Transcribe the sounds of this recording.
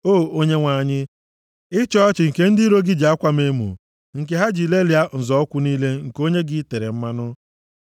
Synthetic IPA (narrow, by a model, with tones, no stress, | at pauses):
oː˦˨o˦ɲe˦ŋʷa˨ɲɪ˦ | ɪ˦t͡ʃɔ˦t͡ʃɪ˨ŋ̩˨ke˦n̩˦dɪi˦ɾo˦ɡɪ˦d͡ʒa˦kʷa˦me˦mṵ˨ | ŋ̩˨k̬e˨ɦa˦d͡ʒi˨le˦lja˦n̩˨zɔ˨˦kʷʊ˦niː˦le˦ŋ̩˨ko˦ɲe˦ɡɪ˦te˨ɾḛ˨m̩˦ma˦nʊ˦